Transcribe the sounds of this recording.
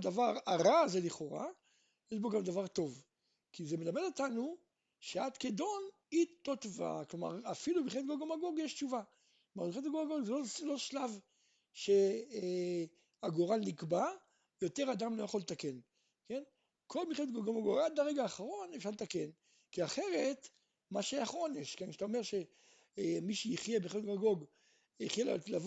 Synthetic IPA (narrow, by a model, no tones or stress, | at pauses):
d̪avaʁaʁaːzeliχo̞ʁa̰ | jeʃbo̞ɡamd̪avaʁt̪o̞v | kizemelame̞dotanu | ʃeadkedo̞n | itːot̪va̰kloma̰ʁafilubiχet̚ɡoɡomaɡoɡjeʃt͡ʃuva | klomamiχetɡɡomaɡoɡzelolo̞ʃlav | ʃe | aɡoʁalnikba | jo̞te̞ʁadamlojaχo̞let̪ake̞n | ke̞n | kʰo̞lmiχeet̪ɡoɡomaɡoɡad̪aʁeɡaːχaʁo̞nefʃaʁlet̪ake̞n | kiaχe̞ʁet̪ | maʃeaχʁo̞njeʃkenkḁt̪aomeʁʃe | miʃeiχjebiχet̚ɡoɡɡoɡ | iχjellav